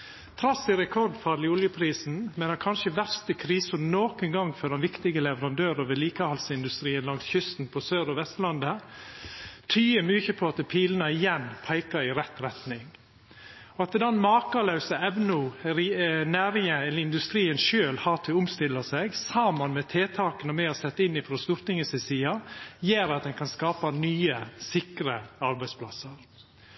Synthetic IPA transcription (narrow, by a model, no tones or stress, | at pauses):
t̪ʰɾɑsɪɾɛkʰɔɾd̪fɑːɾɭɪʊljəpʰɾiːsn̩mɛːnəɾkʰɑnʃəʋæɾst̪əkʰɾiːsʊnoːkənɡɑŋfœdɛnʋɪkt̪ɪɡəlɛʋəɾɑnd̪øːɾəʋɪːliːkəhɑlsəɪnd̪ʉst̪ɾiːənlɑŋsçʏst̪n̩pʰɔsøːɾɔʋɛst̪lɑnd̪ə | t̪ʰyːəmyːçəpʰɔɑt̪pʰiːlnɑɪjɛnpʰæɪkɑɾɪɾɛt̪ɾɛt̪nɪŋ | ɔɑt̪d̪ɛnmɑːkɑlɑʉsəɛʋnʊɾnæːɾɪŋəɛlːəɾɪnd̪ʉst̪ɾiːənʃøːlhɑːt̪ʰɪʊmst̪ɪlːəsɛɡsɑːmənmɛt̪ʰeːt̪ʰɑːkənəmɛhɑsɛt̪ːɪnːɪfɾɔst̪ʊɾt̪nɪŋəsɛsiːɑjeːɾɑt̪̚d̪ɛnkʰɑnskɑːpɑnyːəsɪkɾəɑɾbæɪspʰlɑsəɾ